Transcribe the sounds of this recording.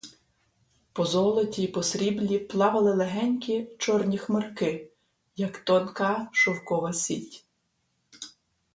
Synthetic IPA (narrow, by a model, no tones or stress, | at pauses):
pɔzɔlˠɔtʲipɔsɾʲiblʲiplˠɑʋɐlˠɪlˠeɦɛnʲkʲit͡ʃɔrnʲixmerkɪ | jɐkt̪ɔnkɑʃɔwkɔʋɐsʲitʲ